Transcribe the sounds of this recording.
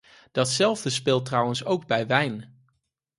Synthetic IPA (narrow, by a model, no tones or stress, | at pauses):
d̥ɑtsɛlˠvdəspɪːlˠtrɑwənsowɡbɛjʋɛjn